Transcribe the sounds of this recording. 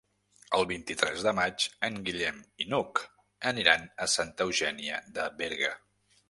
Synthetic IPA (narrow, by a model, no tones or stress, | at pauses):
əlˠβint̪it̪ɾɛzðəmat͡ʃəŋɡiʎɛminuk | əniɾanəsant̪əwʒɛniə̰ðəβeɾɣə